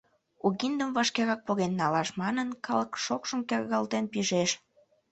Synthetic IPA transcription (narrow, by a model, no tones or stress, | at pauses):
uɣind̪əmvɑʃkeɾɑk̚poɣenːɑlɑʃmɑnənkɑləkʃokʃəmkerɣɑlt̪enpiʒeʃ